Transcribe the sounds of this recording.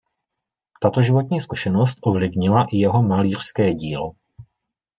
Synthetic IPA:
t̪at̪o̞ʒɪvo̞t̪ɲiːskuʃɛno̞st̪ʔovlɪvɲɪlaʔɪjɛɦo̞maliːr̝̥skɛːɟiːlo

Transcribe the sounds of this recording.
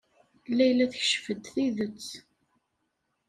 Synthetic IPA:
lːæjlæθəçʃfəd̪θiðət͡sː

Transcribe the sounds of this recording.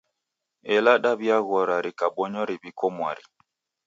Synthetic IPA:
ɛlaɗaβjaɣɔɾaɾikaɓɔɲɔɾibikɔmwaɾi

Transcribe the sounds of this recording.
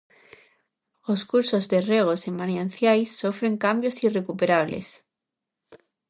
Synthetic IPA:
oskuɾsozðereɣ̞osemanjan̟θjajsːofɾe̞ŋkambjosirekupeɾaβ̞lḛs

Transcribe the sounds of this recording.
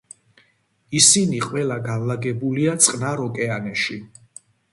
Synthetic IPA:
isiniqʼwɛlaɡavlaɡɛbuliat̪sʼqʼnaɾɔkʼɛanɛʃi

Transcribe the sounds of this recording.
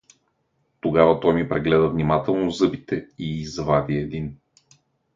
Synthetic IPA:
t̪oɡavɐt̪ɔjmipɾɛɡlɛd̪ɐvnimat̪ɛlˠnozɤbit̪ɛiːzvad̪iɛd̪in

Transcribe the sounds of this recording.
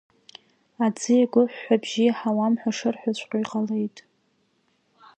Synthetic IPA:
ad͡zɨjaɡʷʊħʷːabʒiħawamħʷᶣaʂɨrħʷᶣat͡ɕʷʰʼqʲʷʼaiqʼale̞jtʼ

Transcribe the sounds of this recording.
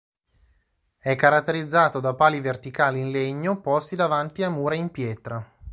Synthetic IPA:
ɛkːaɾat̪ːeɾid̪zːaːt̪od̪apaːlivert̪ikaːliːnleɲːopɔst̪id̪avant̪iamːuːɾaimpjɛːt̪ɾa

